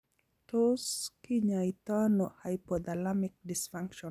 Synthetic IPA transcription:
toskiɲait̪anɔhajpɔd̪alamik̚disfaŋkʃɔ

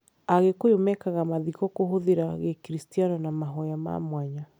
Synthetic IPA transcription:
aɣekojomɛkaɣamaðikɔkoɦoðeɾaɣekɾistianɔnamaɦɔjama̰mwaɲa

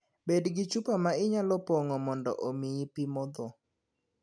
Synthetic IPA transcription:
bedɡɪt͡ʃupamaɪɲalɔpɔŋɔmɔndɔ̰ʔomɪipimɔd̪ɔ

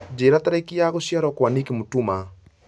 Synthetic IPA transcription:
d͡ʒeːɾataɾakijaɣoɕjaɾɔkwanikemotuma

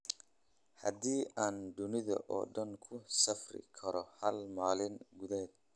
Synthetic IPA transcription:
hɐ̰d̪iːʔaːnd̪ʊnɪðɐ̰ʔɔ̰ːɖɐŋkʰʊsɐfrɪ̰kʰɐɾɔhɐlmaːlɪnɡʊðɛːd̪

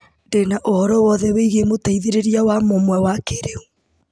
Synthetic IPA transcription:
ndenaʔohɔɾɔwɔðɛweiɣemotaiðeɾeɾiawamomwɛwakeɾeu

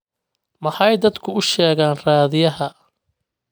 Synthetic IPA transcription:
mɐħɑjd̪ɐd̪kʰʊʊʃɛːɣaːnraːðɪjɐɦɐ

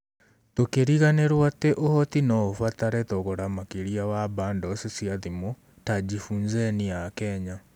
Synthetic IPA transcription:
tokeɾiɣaneɾwateʔohɔtinɔofataɾɛtɔɣoɾamakeɾiawaβaːndɔsesiaðimɔ | tad͡ʑifuːɲzɛnijakɛɲa

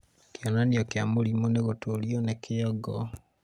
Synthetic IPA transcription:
kjɔnaniokjamolimoneɣotoljonekiɔɡɔ

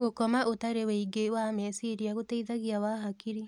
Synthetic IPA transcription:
ɣokɔmaʔotaɾeweiɡewamesiɾiaɣoteiðaɣiawaɦakiɾi

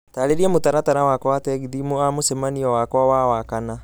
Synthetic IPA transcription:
taːɾeɾiɛmotaɾatanawakɔatɛɡidimoamosɛmaniɔwakɔawawakana

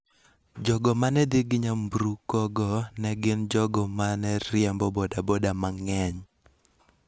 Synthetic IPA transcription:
d͡ʒɔɡɔmanɛdiɡiɲambɾukɔɡɔnɛɡɪnd͡ʒɔɡɔmanɛɾjɛmbɔbɔdabɔdamaŋɛɲ

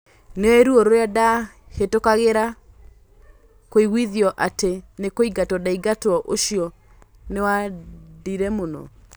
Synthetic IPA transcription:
neɔeɾuoɾoɾeada | hetokaɣeɾa | koiɣwiðjɔʔatenekoiɡatɔdaiɡatwɔʔoʃiɔ | newadiɾɛmonɔ̰

